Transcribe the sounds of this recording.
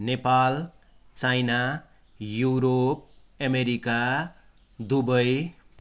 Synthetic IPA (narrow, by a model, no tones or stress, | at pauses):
nepal | t͡sajna | juɾop̚ | ʌmeɾika | d̪ubʌj